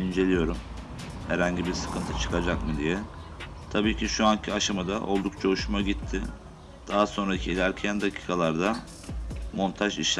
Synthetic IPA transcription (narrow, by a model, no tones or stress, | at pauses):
ind͡ʒe̞lʲijo̞ɾum | hæɾhaɲɟibiɾsɯ̥kʰɯnt̪ʰɯt͡ʃʰɯ̥kʰad͡ʒakmɯd̪ijɛ | t̪ʰabiːcʰiʃuancʰiaʃamad̪aʔo̞̰lˠd̪uk̚t͡ʃʰauʃumaɟit̪ʰːɪ | d̪̥aɦaso̞nɾacʰiilʲæɾcʰænd̪acʰi̥ːkʰalˠaɾd̪a | mo̞nt̪ʰaʒiʃ